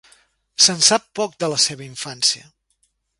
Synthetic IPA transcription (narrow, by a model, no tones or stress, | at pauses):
sənsapːɔk̚d̪ələseβəiɱfansiə̰